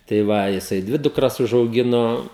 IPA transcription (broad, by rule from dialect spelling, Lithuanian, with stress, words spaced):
tɐɪ ˈʋɐ jɪˈsɐɪ ˈdʲʋʲɪ dʊkˈrɐs ʊʒɐʊˈɡʲɪnoː